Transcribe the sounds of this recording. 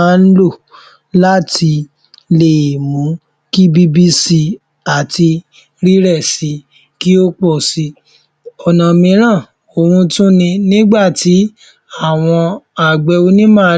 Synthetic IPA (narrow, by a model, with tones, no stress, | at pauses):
n̩˦lo˦˨ | la˦tʰi˧ | le˨mũ˨˦ | ki˦bi˦bi˦si˧ | a˨ti˧ | ɾi˦ɾɛ˦˨si˧˦ | ki˦o˦k͡pɔ˦˨si˧ | ɔ˨nã˨mĩ˧˦ɾ̃ã˦˨ | o˨ɾũ˧tũ˦nĩ˧nĩ˦ɡ͡ba˦˨ti˨˦ | a˦˨w̃ɔ̃˧a˨ɡ͡bɛ˧o˧nĩ˦mãː˦˧˦